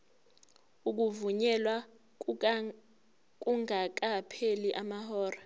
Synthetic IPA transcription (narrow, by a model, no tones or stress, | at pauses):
uk̬uvuɲɛlwa | k̬ʼuŋak̬ʼapʰeliʔamahɔːra